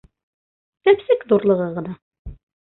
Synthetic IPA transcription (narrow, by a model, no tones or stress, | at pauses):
t̪æpsɘkðuɾlˠɤ̆ʁɤʁɤ̆nɑ